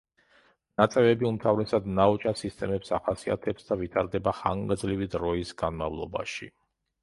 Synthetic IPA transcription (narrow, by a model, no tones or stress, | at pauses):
nat̪sʼɛvɛbiumt̪ʰavɾɛsad̪naɔt͡ʃʼasist̪ʼɛmɛpsaχasia̰t̪ʰɛpsd̪avit̪ʰaɾd̪ɛbaχa̰ŋɡd̪zlivid̪ɾɔisɡanmavlˠɔ̰ba̰ʃḭ